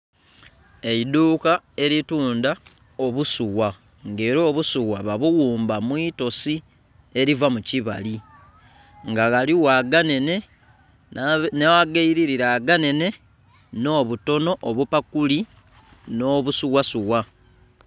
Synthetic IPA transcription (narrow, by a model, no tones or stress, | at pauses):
e̞iduːkae̞ɾituːnda | o̞βusuwa | ŋɡe̞ːɾo̞ːβusuwaβaβuɣuːmbamwiːto̞si | e̞ɾivamuciβa̰li | ŋɡaɣaliwaɡanene̞ | newaɡaiɾiɾiɾaːɡane̞ne̞ | no̞ːβuto̞no̞ʔoβupakuli | no̞ːβusuɣasuwa